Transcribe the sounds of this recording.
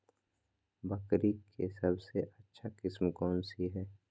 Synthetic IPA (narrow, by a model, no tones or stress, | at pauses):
bɐkɾikʰesɐbseʔɐtːʃʰakɪsmkɔːnsiɦɛː